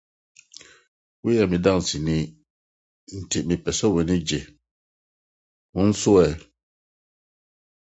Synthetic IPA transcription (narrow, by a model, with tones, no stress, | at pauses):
wi˦jɛ˨mi˨da˦˨ŋ˨si˨ni˦ | n̩˨tʰi˨ʔmi˨pɛ˨sɔ˦we˨ni˦d͡ʒe˨ | mu˦n̩˦su˦ɛ˨